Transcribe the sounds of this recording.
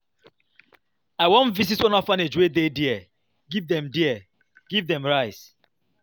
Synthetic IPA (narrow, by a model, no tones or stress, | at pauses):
aɪwɔ̃nvizitwɔ̃nɔfaned͡ʒwedediɛ | ɡivdɛ̃mdiɛ | ɡ̥ivðɛ̃mɹaɪs